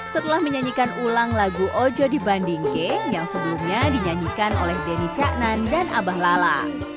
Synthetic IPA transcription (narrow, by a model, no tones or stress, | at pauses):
sət̪əlahməɲaɲikanulaŋlaɡuʔod͡ʒɔdibandiŋkejaŋsəbəlumɲadiɲaɲikanʔolɛhdenit͡ʃaʔnandanʔabahlala